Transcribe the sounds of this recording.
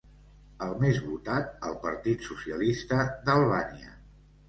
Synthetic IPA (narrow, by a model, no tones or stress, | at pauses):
əlˠmezβut̪at̪̚əlˠpəɾt̪it̪susiəlist̪əd̪əlˠβaniə̰